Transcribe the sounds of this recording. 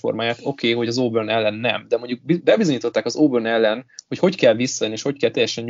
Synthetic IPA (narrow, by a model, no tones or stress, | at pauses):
fo̰rmaːjaːt̪o̞keːho̞ɟɒzoːbørnɛlːɛnːɛmd̪ɛmo̞ɲɟuk̚bibɛbizo̞ɲiːt̪o̞t̪ːaːkɒzoːbørnɛlːɛnho̞cho̞ckɛlvisːɒjneːʃho̞ckɛlt̪ɛjɛʃɛɲ